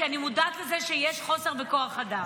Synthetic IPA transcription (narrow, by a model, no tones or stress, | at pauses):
animud̪aːt̪lezeʃejeʃχo̞se̞ʁveko̞aχad̪a